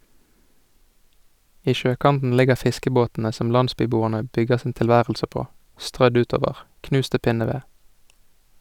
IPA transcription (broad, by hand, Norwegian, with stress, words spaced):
ˈiː ˈʃøːˌkɑntn̩ ˈlɪɡəʁ ˈfɪskəboːtn̩ə ˈsɔm ˈlɑndˌspyːˌbuːəʁnə ˈbʏɡəʁ sn̩ ˌtɪlˈʋæːʁəlsə ˈpoː ˈstʁœd ˈʉːˌtoːʋəʁ ˈknʉːst ˈtɪ ˈpɪnəˌʋeː